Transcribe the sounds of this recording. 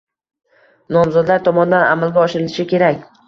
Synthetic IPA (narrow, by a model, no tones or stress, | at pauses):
nɒmzɒd̪laɾt̪ʰɒmɒnɪd̪ana̰malˠɡʲaɒʃɪɾɪlɪʃɪkʲʰe̞ɾakʲ